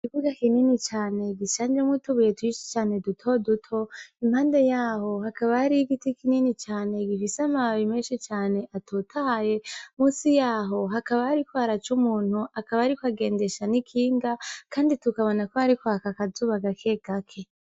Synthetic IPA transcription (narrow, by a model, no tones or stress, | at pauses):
iβuɡakininit͡ʃaːne̞ɡiʃaːnd͡ʒemwituβujetwiʃi̥t͡ʃaːne̞dutʰo̞dutʰo̞im̥haːnde̞jaːho̞hakaβahaɾiɡitikininit͡ʃaːne̞ɡifisamaβimeːʃit͡ʃaːne̞ʔatʰutʰaje̞muːsijaːɦo̞ɦakaβahaɾikwaaɾat͡ʃumuːn̥huʔakaβaaɾikwaɡe̞ːnde̞ʃanikʰiːŋɡakaːnditukaβo̞nakohaɾikohakakazuβaɡakʰe̞ɡ̥akʰe̞